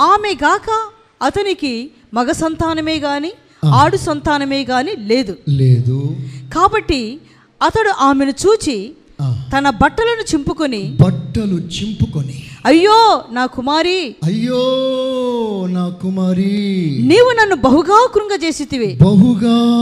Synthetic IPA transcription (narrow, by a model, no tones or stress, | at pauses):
aːmeɡaːkɐː | t̪ɐniki | mɐɡɐsɐnt̪aːnɐmeːɡaːni | aːɽusɐnt̪aːnɐmeːɡaːnile̞ːd̪uleːd̪ukaːbɐʈːi | ɐt̪ɐɽuʔaːmenut͡ʃuːt͡ʃi | t̪ɐnɐbɐʈːɐlɐnut͡ʃempukonibɐʈːɐlut͡ʃimpukoniɐjːoːnaːkumaːɾiɐjːoː | naːkumaːɾiniːwunɐnːubɐɦuɡaːkɾuŋɡɐt͡ʃe̞ːsit̪iʋeːbɐɦuɡaː